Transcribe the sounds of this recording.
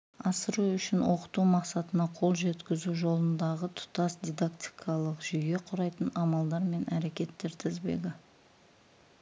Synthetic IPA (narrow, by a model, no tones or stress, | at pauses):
ɑsəɾuʏʃɪnwʔo̞qə̥t̪umɑqsɑt̪ənɑqʰo̞lˠʒe̞t̪kʲɪzuʒo̞lˠənd̪ɑʁət̪ʰʊ̥t̪ɑsd̪ʲijd̪akt̪i̥jkʰɑlˠəqʒ̥ʏje̞qʰʊɾɑjt̪ənɑmɑlˠd̪ɑɾme̞nʔæɾe̞kʲe̞t̪ːe̞ɾt̪ʰɪzbe̞̰ɡʲɪ